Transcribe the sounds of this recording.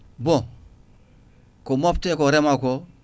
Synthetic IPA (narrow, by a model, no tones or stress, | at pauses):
bõ | komoptekoɾemako